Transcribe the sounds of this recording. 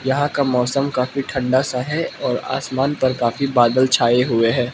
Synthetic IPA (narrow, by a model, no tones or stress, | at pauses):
jɐɦãkamɔːsəmkaːfiʈʰɐ̃ɳɖasaɦɛɔːɾa̰ːsmaːnpɐɾkaːfibaːd̪əlt͡ʃʰaːeɦʊeɦɛː